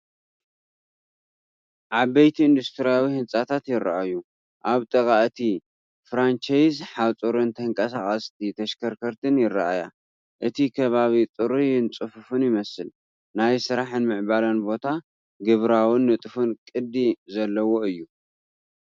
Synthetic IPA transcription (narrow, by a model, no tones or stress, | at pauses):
ʕabɐjt̪ʰiɨnd̪ust̪ʰɨɾijawihɨnsʼat̪ʰat̪jɪɾːa̰ʔaju | ʔaβt̪ʼɨkʼaʔt̪ʰi | fɾant͡ʃajzħat͡sʼuɾɨnt̪ʰɐŋkʼɐsaxʼɐst̪ʰit̪ʰɐʃkʰɐɾkʰɐɾt̪ʰɨnjɪrːa̰ʔaja̰ | ʔɨt̪ʰikʰɐβaβit͡s̪ʼɨɾujɪnt͡sʼɨfɨfɨnjɪmɐsɨl | najsɨɾaħɨnmɨʕbalɐnbo̞t̪ʰa | ɡɨβɾawɨnːɨt̪ʼɨfɨnkʼɨd̪izɐlːɐwo̞ɨjːu